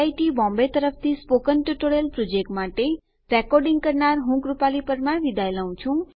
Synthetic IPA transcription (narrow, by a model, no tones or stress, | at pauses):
aiʈibɔ̃mbet̪əɾəpʰt̪ʰispokənʈuʈoɾjəlpɾod͡ʒek̚ʈmaʈe | ɾɛkɔɾɖĩŋɡ̚kəɾnaɾɦũkɾupalipəɾmãʋid̪ʱajləũt͡ʃʰũ